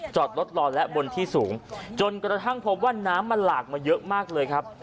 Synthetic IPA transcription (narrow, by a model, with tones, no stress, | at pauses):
t͡ɕɔː˨˩t̪̚lo˦˥t̪̚lɔː˧nlɛ˦˥ʔbo˧nt̪ʰiː˥˩suː˩˦ŋt͡ɕo˧nkɾa˧t̪ʰa˥˩ŋpʰo˦p̚waː˥˩naː˦˥mːa˧nlaː˨˩k̚maː˧jɤ˦˥ʔmaː˥˩k̚lɤː˧jkʰa˦˥p̚